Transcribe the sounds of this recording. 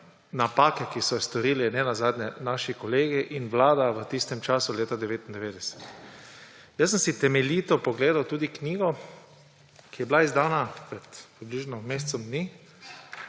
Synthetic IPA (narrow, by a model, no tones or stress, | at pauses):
napaːkɛkisɔst̪ɔɾiːlɛnɛnazaːd̪nɲɛnaːʃikɔleːɡiʔinʋlaːd̪aʋət̪ist̪ɛmt͡ʃaːsuleːt̪ad̪ɛʋeːt̪ind̪ɛʋeːd̪ɛsɛ̥t̪ | jəsːəmsit̪ɛmɛliːt̪ɔpɔɡleːd̪awt̪uːd̪ikniːɡɔ | kijɛblaizd̪aːnapɾɛt̪pɾibliʒnɔmeːst̪sɔmd̪niː